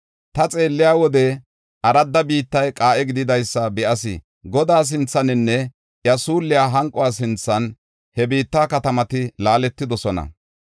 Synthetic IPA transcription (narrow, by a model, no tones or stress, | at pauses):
t̪ɐt͡sʼe̞ːlːɪjaːwɔd̪ɛ | ʔɐɾɐd̪ːɐbiːt̪ːɐjkʼaːʔɛɡɪd̪ɪd̪ɐjsːɐbɛʔɐsɪ̰ | ɡɔd̪aːs̬ɪnt͡sːɐnɪnːɛ | jɐsuːlːɪjaːɦɐŋkʼʊwaːs̬ɪnt͡sːɐn | hɛbiːt̪ːaːkɐt̪ɐmɐt̪ɪlaːlɛt̪ːɪd̪ɔsɔnɐ̰